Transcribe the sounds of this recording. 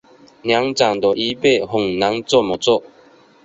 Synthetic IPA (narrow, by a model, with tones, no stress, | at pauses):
nja˨˦ŋt͡sa˨ŋd̪ɔ˨˩ʔi˨˦pe˥˨hʊ˨˩ŋna˨˦ŋt͡sɔ˥˨mɔ˨t͡sɔ˥˨